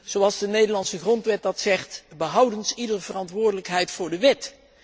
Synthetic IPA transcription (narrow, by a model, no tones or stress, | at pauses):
z̥owɑlˠzdənejdəɹlɑnsəχrɔntʋɛt̚dɑtsɛχtbəɦʌwdənsidərvərɑntʋʊːɹdələkɦɛjtfʊːɹdəʋɪt